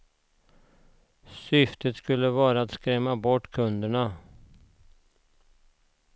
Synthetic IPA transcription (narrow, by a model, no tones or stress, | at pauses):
sʏft̪ʰət̪skɵlːəvɑːɾaat̪skɾɛmːabɔʈːkʰɵnd̪əɳa